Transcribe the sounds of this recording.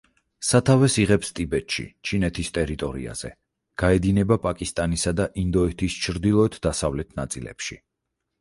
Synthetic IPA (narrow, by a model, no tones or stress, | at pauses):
sat̪ʰavɛsiʁɛpst̪ʼibɛt̪ʃḭt͡ʃʰinɛt̪ʰist̪ʼɛɾit̪ʼɔɾḭa̰z̥ɛ̰ | ɡ̥aɛd̪inɛbapʼakʼist̪ʼanisad̪aʔind̪ɔɛt̪ʰist͡ʃʰɾd̪ilˠɔɛt̪ʰd̪asavlɛt̪ʰnat̪sʼilɛ̰pʃi